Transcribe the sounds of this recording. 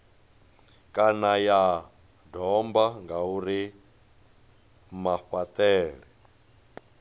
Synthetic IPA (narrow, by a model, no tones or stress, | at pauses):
kʼanaja | dɔmbaŋɡauɾi | maɸat̪ʼɛːɺɛ